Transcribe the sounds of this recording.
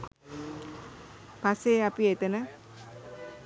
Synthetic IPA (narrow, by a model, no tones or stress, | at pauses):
paseapiet̪ənə